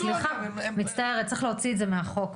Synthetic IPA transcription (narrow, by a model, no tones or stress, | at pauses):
sliχamitt͡st̪aeʁet͡siχleot͡siedzemeaχo̞k